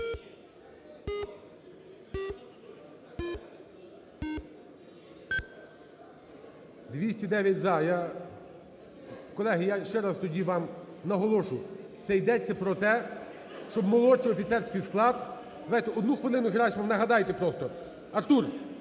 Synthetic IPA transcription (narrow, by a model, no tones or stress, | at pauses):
d̪ʋʲisʲtʲid̪ɛʋʲjɐtʲzɑja | kɔlˠɛɦɪjaʃt͡ʃɛɾɑst̪ɔdʲiʋɑmnɐɦɔlˠɔʃʊjʊt̪sɛjd̪ɛt͡sʲːɐpɾɔt̪ɛ | ʃt͡ʃɔbmɔlˠɔt͡ʃiɔfʲit̪sɛrʲsʲkɪjsklˠɑd̪ | d̪ɐzɑjt̪ɛɔd̪nuxʋɪlˠɪnʊɦɪɾɑʃʲmɐʋnɐɦɐd̪ɑjt̪epɾɔst̪ɔ | ɐrt̪ur